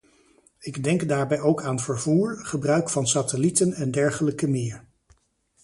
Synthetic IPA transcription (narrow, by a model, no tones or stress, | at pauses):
ɪɡdɛŋkdaːɹbɛjowkaːnvəɹvuːɹχəbrœɥkfɑnsaːtəlitənɛndɛɹχələkəmɪːɹ